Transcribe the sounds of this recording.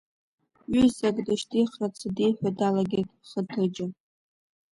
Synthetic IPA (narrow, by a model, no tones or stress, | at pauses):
ɥʏzakʼdɨʃtʰiχrat͡sʰadijħʷᶣadalaɡʲetʼχətʰɨd͡ʒɪ